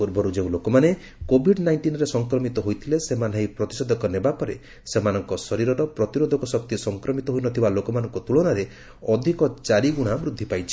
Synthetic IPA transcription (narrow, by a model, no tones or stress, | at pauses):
puɾbʱɔɾud͡ʒeũlokɔmane | kobʱiɖnajɳʈinɔɾesɔŋkɾɔmit̪ɔɦojt̪ʰilesemanɦajpɾɔt̪i̥sɔd̪ʱɔkɔnebapɔɾe | semanɔŋkɔsɔɾiɾɔɾɔpɾɔt̪iɾod̪ʱɔkɔsɔk̚t̪isɔŋkɾɔmit̪ɔɦojnɔt̪ʰibalokɔmanɔŋkɔt̪uɭɔɽ̃aɾe | ɔd̪ʱikɔt͡ʃaɾiɡuɽ̃amɾud̪ʱːipajt͡ʃʰi̥